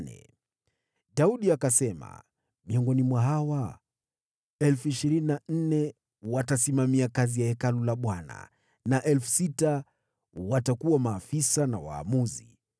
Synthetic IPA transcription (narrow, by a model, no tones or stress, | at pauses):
nɛ̰ | ɗauɗiakasɛma̰ | miɔŋɡɔnimwaɦawa | ɛlfuiʃiɾininan̩nɛ | watasimamiakazijahɛkalulaɓwana̰ | naʔɛlfu̥sita | watakuwamaːfisanawa̰ːmuzi